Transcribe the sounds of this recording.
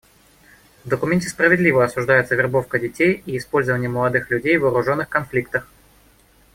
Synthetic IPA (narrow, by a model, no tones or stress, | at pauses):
vd̪əkʊmʲenʲtʲɪ̥spɾəvʲɪd̪lʲivəɐsʊʐd̪ajɪt̪səvʲɪrbo̞fkədʲɪtʲejiɪspo̞lʲzəvənʲɪjəməlˠɐd̪ɨxlʲʉdʲejvəːɾʊʐo̞nːɨxkɐnflʲik̚t̪əx